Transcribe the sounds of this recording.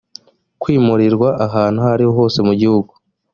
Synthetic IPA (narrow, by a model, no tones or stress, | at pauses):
kwiːmuɾiɾɡwaʔaɦaːn̥huhaɾihoɦo̞ːse̞muɟihuɡu